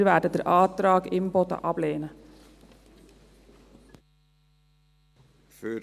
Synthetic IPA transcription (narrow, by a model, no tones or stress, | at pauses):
ɾʋæːʈət̪əɾʔɑːd̪ɾɑːɡɪmbɔt̪ɑ̰ʔɑːbleɪənə | fø